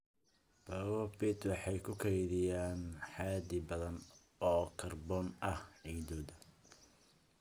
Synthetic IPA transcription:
b̥ɐɣɔbɪt̪wɑħɑjkʰʊkʰɛjðɪjaːnħɑːd̪ɪbɐðɐn | ɔːkʰɐrbɔnʔɐhɛjd̪ɔːd̪ɐ

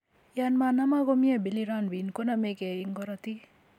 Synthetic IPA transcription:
janmanamaɡomijebiliɾanbinkonamekeiŋɡɔɾɔt̪i

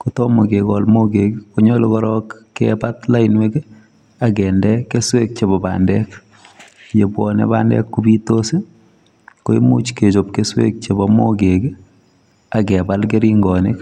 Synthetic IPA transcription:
kotɔmokekɔlmokekkoɲɔlokɔɾɔkːɛ̰pat̪lainwek | akɛndɛkːeswek̚t͡ʃebɔba̰ːndɛk | jebwɔ̰nḛba̰ndɛ̰kːubitose | koimut͡ʃket͡ʃop̚keswḛk̚t͡ʃebɔmokek | akɛbalkeɾiŋɡɔnek

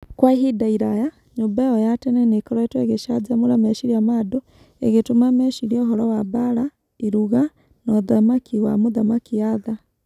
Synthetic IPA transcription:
kwaiɦidaiɾaja | ɲoːmbajɔjatɛnɛnekɔɾɔɛtwɛɣeʃad͡ʒamoɾamɛʃiɾiamado | ḛɣetomamɛʃiɾiɔɦɔɾɔwabaɾa | iɾuɣa | nɔðamakʰiwa̰moðamakiaða

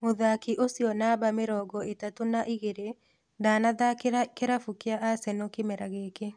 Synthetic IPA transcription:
moðakiʔosjɔnabameɾɔːɡɔetatonaʔiɣeɾe | daːnaðakeɾafukeaʔasɛnokemɛɾaɣeːke

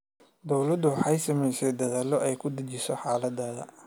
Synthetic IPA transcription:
d̪ɔwlɐd̪ʊwħɑjsɐmɛjsɛjd̪ɐðaːlɔʔɛjkʰʊd̪ɐt͡ʃɪsɔħaːlɐd̪aːðɐ̰

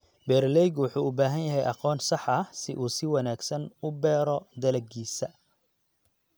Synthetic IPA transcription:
bɛːrlɛjɡwʊħuːʊbaːɦɐnjɐɦɛjʔɑqɔːnsɑħɐsɪʔuːsɪwɑnaːɡsɐnʊbɛːɾɔd̪ɐlɐɡiːsɐ

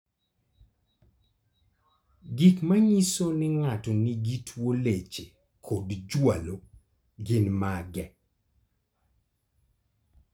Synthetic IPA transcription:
ɡikmaɲisonɪŋatɔniɡitʰwolet͡ʃe | kʰodd͡ʒwalo | ɡɪnmaɡɛ

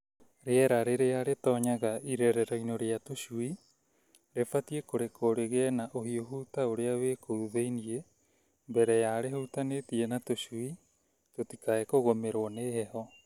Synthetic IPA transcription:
ɾeɛɾaɾeɾeaɾetɔːɲaɣaiɾɛɾɛɾɔinoɾeatoɕui | ɾefatiekoɾekʰoɾeɣeɛnaʔohioɦutaoɾeaweːkʰouðeinie | mbɛɾɛjaɾehutanetienatoɕui | totikaekoɣomeɾowɔneːhɛhɔ

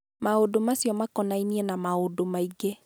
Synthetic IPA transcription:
maodomasjɔmakɔnainiɛnamaodomaiɡe

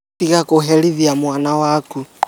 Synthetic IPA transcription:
iɣakoɦɛliðiamwanawaku

